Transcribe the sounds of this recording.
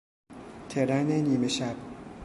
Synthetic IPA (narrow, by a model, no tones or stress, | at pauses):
t̪ʰeɾæneniːmeʃæb̥̚